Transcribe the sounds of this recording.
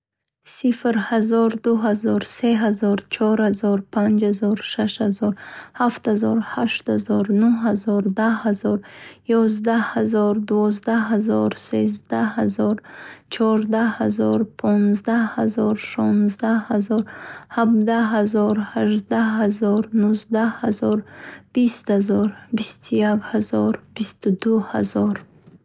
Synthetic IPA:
sifɾhazɔɾd̪uɦazɔɾseɦazɔɾt͡ʃʰɔɾhazɔɾpʰand͡ʒhazɔɾʃaʃhazɔɾhaft̪hazɔɾhaʃt̪hazɔɾnuɦazɔɾd̪ahazɔɾjɔzd̪ahazɔɾd̪uvɔzd̪aɦazɔɾsezd̪ahazɔɾt͡ʃʰɔɾd̪ahazɔɾpʰɔnzd̪ahazɔɾʃɔnzd̪ahazɔɾhabd̪aɦazɔɾhaʒd̪aɦazɔɾnuzd̪ahazɔɾb̥ist̪hazɔɾbist̪ʰujakhazɔɾb̥ist̪ud̪uhazɔɾ

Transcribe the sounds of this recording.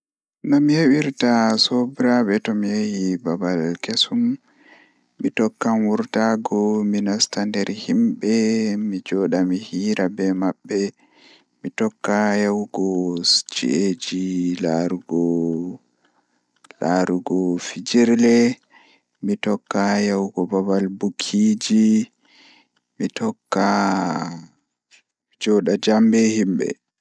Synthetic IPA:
nɔmihewiɾtasobɾabɛtɔmijehibabalkesumː | itɔkːanwuɾtaɡɔminastandɛɾhimɓɛmid͡ʒɔɗamihiːɾʔabɛmabːɛ | mitɔkːahewɡɔsd͡ʒḭed͡ʒilaɾuɡɔ | laɾuɡɔfid͡ʒiɾlɛ | mitɔkːajawɡɔbabalbukʰːiːd͡ʒi | mitɔkːa | d͡ʒɔɗad͡ʒambɛhimɓɛ̰

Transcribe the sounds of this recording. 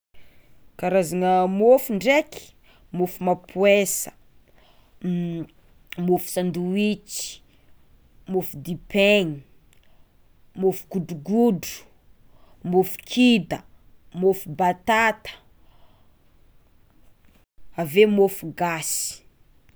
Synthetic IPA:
kaɾazaŋəmofuɳɖ͡ʐeki̥ | mofumapʰwesə̥ | mofu̥sand̪uit͡ʃi̥ | mofud̪ipeɲi | mofu̥ɡuɖ͡ʐuɡudu̥ | mofu̥kʰid̪ə | mofubat̪at̪ə̥ | avemofuɡasi̥

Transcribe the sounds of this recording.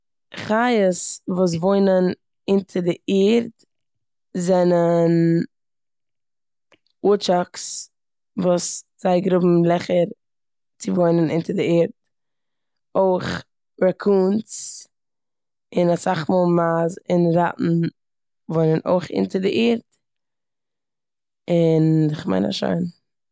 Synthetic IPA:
χajəsvuːs̬voɪnən | ɪntʰədɪiːɾt | zɛnən | ut͡ʃaks | vuːsz̥aɪɡɾʊbm̩lˠɛχəɾ | t͡sɪvoɪnənɪntədɪiːɾt̚ | oɪχ | ɾɛkʰuːnt͡s | ɪnasaχmɔːlˠmaːzɪnɾa̰ʔn̩ | voɪnənʔo̰ɪχɪ̰ntəɾdɪʔiːɾt | ɪnɪχma̰ɪna̰ʃa̰ɪn

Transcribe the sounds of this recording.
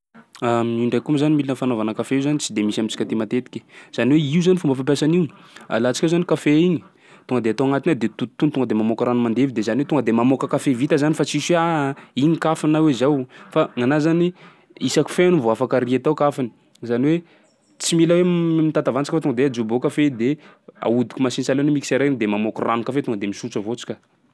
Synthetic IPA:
amniɳɖ͡ʐajkumizanimilinəfanovanəkafeiuzanit͡sid̪emisamit͡si̥kat̪emat̪et̪i̥kʲe̥z̥aniweiuzanifumbəfampjasaniwa̰lat͡si̥kewzanikafeiɲi̥ | t̪uŋɡəd̪eat̪awaŋat̪inad̪et̪ut̪t̪ːunit̪uŋɡəd̪emamokaɾanumand̪evid̪ezaniwet̪uŋɡəd̪emamokəkafevit̪əzanifat͡siisiaiɲikafinawezawfaŋanazani | isaku̥feanuvoafakaɾiet̪awkafani̥ | zaniwe | t͡similəwemit̪at̪avant͡si̥kʲfat̪uŋɡəd̪ead͡ʒubokafed̪ea̰ud̪i̥kʲumasinsalenimikiseɾend̪emamokuranukafet̪uŋəd̪emisut͡səvot͡si̥kʲə

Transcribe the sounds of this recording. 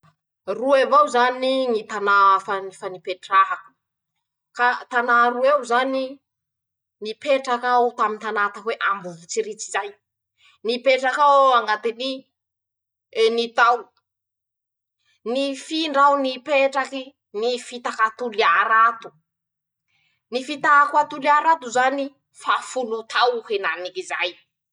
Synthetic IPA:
ruevawzaninit̪anafanfanipeʈ͡ʂaɦaku̥ | kat̪anaɾuewzani | nipeʈ͡ʂakaawt̪amint̪anat̪akweʔambuvut͡siɾit͡sizaj | nipeʈ͡ʂakawaŋɡat̪ini | nit̪aw | nifiɳɖ͡ʐawnipeʈ͡ʂaki | nifit̪akat̪uliaɾat̪u̥ | nifit̪akwat̪uliaɾat̪uzani | fafulut̪ʰawhenanikizaj

